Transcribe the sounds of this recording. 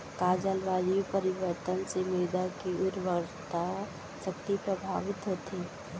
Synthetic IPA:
kaːd͡ʒəlʋaːd͡ʒipəɾɪʋəɾt̪ənsemeːd̪akiʊɾʋəɾt̪a | ʃək̚t̪ipɾəbʱa̰ːʋɪt̪ɦot̪ʰeː

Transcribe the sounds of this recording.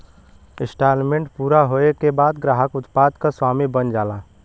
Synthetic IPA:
ɪsʈaːlmẽɳʈpuːɾaɦoːekebaːd̪ɡɾaːɦəkʊt̪paːd̪kaswaːmibənd͡ʒaːlaː

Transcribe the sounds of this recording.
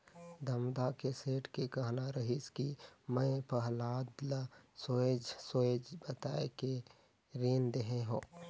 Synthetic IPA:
d̪əmd̪akeseːʈkekəɦnaɾəɦiskimə̃pəɦlaːd̪lsoːed͡ʒsoːed͡ʒbət̪aːeke | ɾiːnd̪eɦeɦõː

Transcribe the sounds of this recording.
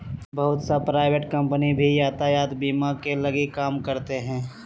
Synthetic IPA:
bəɦʊt̪sapɾaːɪʋeʈkɐ̃mpənibʱijaːt̪ajaːt̪biːmakelɐɡikaːmkəɾt̪eɦɛ̃ː

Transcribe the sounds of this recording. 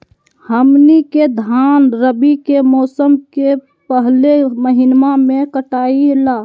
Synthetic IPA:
həmniked̪ʱaːnɾəbikemɔːsəmke | pəɦleməɦɪnmamẽkəʈaːilaː

